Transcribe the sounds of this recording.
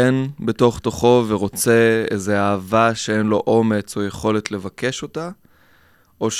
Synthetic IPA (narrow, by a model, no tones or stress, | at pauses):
enbeto̞χt̪oχo̞veʁo̞t͡se̞ḛze̞aːvaʃeenlo̞ʔo̞me̞t͡so̞je̞χo̞le̞tle̞vakʰe̞ʃo̞ta | ʔoʃ